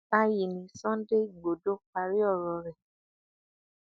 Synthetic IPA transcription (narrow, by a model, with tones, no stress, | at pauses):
a˦ji˨nĩ˨˦sɔ̃˦de˦˨ɡ͡bo˨do˦k͡pa˨˧ɾi˦ɔ˦˨ɾɔ˨˧ɾɛ˨